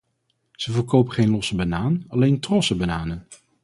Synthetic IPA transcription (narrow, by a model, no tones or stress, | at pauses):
z̥əvəɹkowpəχejnlɔsəbanaːnɑlejntrɔsəbanaːnən